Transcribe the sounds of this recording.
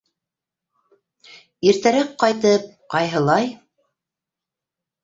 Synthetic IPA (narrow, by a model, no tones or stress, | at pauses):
iɾt̪æɾækqːɑjt̪ɤp̚qɑjɦɤ̆lˠɑj